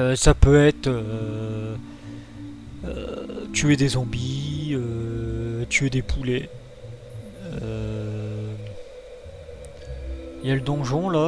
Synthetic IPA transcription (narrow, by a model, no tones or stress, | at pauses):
øsapøɛt̪χø | ø̰t̪yed̪ezɑ̃biø | t̪ʰyed̪epʰule | ø | iljaləd̪ɔ̃ʒɔ̃la